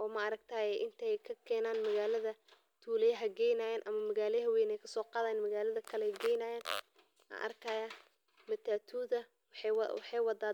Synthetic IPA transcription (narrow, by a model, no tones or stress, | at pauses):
ʔɔːmɐɐɾɐɡ̚t̪ʰaːjɛʔɪnt̪ʰɛjkʰɐkʰɛːnaːnmɐɣaːlɐðɐ | t̪ʰuːlɛjɐɦɐɡɛjnajɛːnʔɐmɐmɐɣaːlɦɐwɛjnɛjkʰɐ̥sɔːqɑːðaːnmɐɣaːlɐðɐkʰɐlɛɡɛːjnaːjɛːn | ʔɐ̰ʔɐ̰rkʰɐːjɐ | mɐt̪ʰaːt̪ʰuːðɐ | wɑħɑjwɑdaː